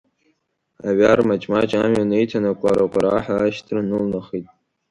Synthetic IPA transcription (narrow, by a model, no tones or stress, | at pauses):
a̰ɥarmat͡ʃʼmat͡ʃʼamonejtʰanakʷʼaɾakʷʼaɾaħaaʃtʰrɨnɨlnaχitʼ